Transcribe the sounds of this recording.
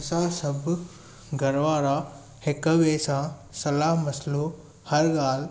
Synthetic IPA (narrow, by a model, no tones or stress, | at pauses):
sãːsɐb | ɡɐɾʋaːɾa | hɪkʋeːsãsɐlaːɦmɐslo | hɐɾɡaːl